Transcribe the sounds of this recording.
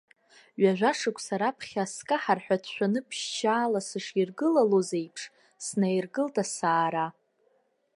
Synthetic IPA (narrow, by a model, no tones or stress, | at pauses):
ɥaʒᶣʷaʂɨkʷʰʼsaɾapʰχʲaskʼaħarħʷᶣatʰʃʷᶣanɨpʰʃt͡ʃʰaːlasɨʂirɡɨlaloze̞jpʰʂ | snajrɡɨltʼasaːɾa